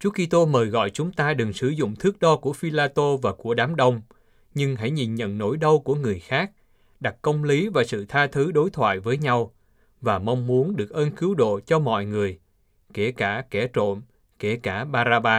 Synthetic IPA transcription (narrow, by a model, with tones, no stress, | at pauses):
t͡ɕu˨˦ki˧t̪o˧məː˨˩jɣɔ̰˧˨jt͡ɕʊ˨˦ŋ͡mt̪aː˧ɗɨ˨˩ŋsɨ˧˩zʊ̰˧˨ŋ͡mt̪ʰɨ˦˥ək̚ɗɔ˧ku˧˩əfi˧laː˧t̪o˧vaː˨˩ku˧˩əɗaː˨˦mɗə˧wŋ͡m | ɲɨ˧ŋɦa̰˧˩jɲi˨˩nɲə̰˧˨nːo̰˧˩jɗə˧wku˧˩əŋɨ˨˩əjxaː˦˥k̚ | ɗa˨˩k̚kə˧wŋ͡mli˨˦vaː˨˩sɨ̰˧˨t̪ʰaː˧t̪ʰɨ˨˦ɗo˨˦jt̪ʰwa̰ː˧˨jvəː˨˦jɲa˧w | vaː˨˩ma˧wŋ͡mmu˨˦ənɗɨ˨˩ək̚ʔəː˧nkɨ˨˦wɗo̰˧˨t͡ɕɔ˧mɔ̰˧˨jŋɨ˨˩əj | ke˧˩kaː˧˩kɛ˧˩t͡ɕo̰˧˨n | ke˧˩kaː˧˩ɓaː˧zaː˧ɓaː˧